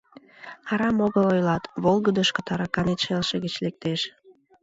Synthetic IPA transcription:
kɑɾɑmoɣəlojlɑt̪βolˠɣəd̪əʃkət̪ɑɾɑkɑnet̪ʃelʃeɣət͡ɕlek̚t̪eʃ

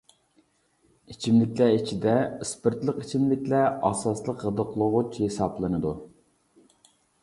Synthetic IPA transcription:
it͡ʃʰimlɪkʲlɛit͡ʃʰid̪ɛispɨɾt̪lˠəqit͡ʃʰimlɪkʲlɛɑsɑslˠəqːəd̪əqlˠʊʁʊt͡ʃhesɑplˠɨnɨd̪u

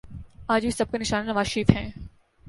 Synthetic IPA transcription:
aːd͡ʒbʱisɐb̚kenɪʃaːnenɐʋaːzʃiːfɦɛ̃ː

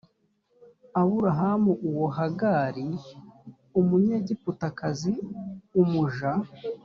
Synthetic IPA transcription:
aβuɾaɦamuʔuwoɦaɡaɾi | umuɲeɟiputakaziumuʒa

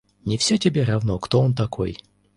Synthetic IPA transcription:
nʲɪfsʲatʲɪbʲeɾɐvnokt̪oont̪ɐkʰo̰j

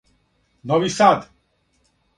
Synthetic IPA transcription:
nɔʋisad̪

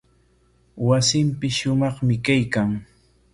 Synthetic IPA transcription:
wasɪmpɪsʃʊmɑχmɪkajkaŋ

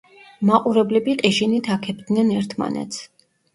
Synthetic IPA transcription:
maqʼuɾɛblɛbiqʼiʃinit̪ʰakʰɛb̚d̪nɛnɛɾt̪ʰma̰nɛ̰t̪sʰ

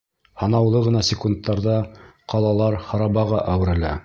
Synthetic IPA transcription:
hɑnɑwlˠɤʁɤ̆nɑsʲɪkunt̪ːɑɾðɑqɑlˠɑlˠɑɾhɑɾɑbɑʁɑʔæwɘ̆ɾɘ̆læ̰

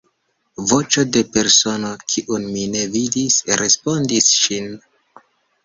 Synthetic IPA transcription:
vo̞t͡ʃo̞de̞pe̞ɾso̞no̞kʰiʔunmine̞vidisɾe̞spo̞ndisʃin

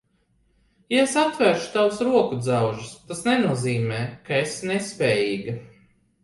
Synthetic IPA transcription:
jaesat̪vɛɾʃu̥t̪awsɾuɔkud̪zawʒist̪asnenuɔziːmɛːkaesnespʲɛːjiːɡɐ

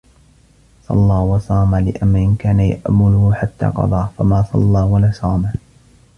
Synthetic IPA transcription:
sˤɑ̰lːɑːwɑsˤɑːmalɪʔamːaʔɪnkaːnaja̰ʔmʊlʊhħat̪ːa̰ːqɑ̰d̪ˤɑːfamaːsˤɑ̰lːɑːwalasˤɑːma

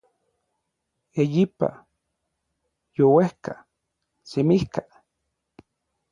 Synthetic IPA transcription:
ejipa̰ | jowehka̰ | semihka

